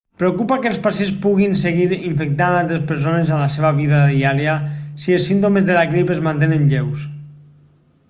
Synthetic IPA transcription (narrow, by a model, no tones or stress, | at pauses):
pɾeokupakelˠspasenspuɣinseɣiɾiɱfek̚t̪analˠt̪ɾespəɾs̬onezalaseβaβiðaðiaɾjasielˠsint̪̬omezðelaɣɾipezmant̪enenʎews